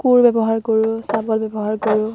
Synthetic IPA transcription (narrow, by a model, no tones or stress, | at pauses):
kuɹbɛbɔɦaɹkɔɹusabɔlbɛbɔɦaɹkɔɹʊ